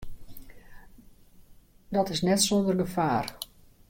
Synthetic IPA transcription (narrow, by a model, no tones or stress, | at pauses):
dɔtɪsnɛtsondərɡəfaːr